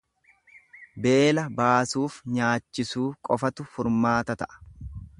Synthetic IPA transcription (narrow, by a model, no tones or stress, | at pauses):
be̞ːlɐbaːsuːfɲaːt͡ʃːɪsuːkʼɔfɐt̪ʊfʊɾmaːt̪ɐt̪ɐʔɐ̥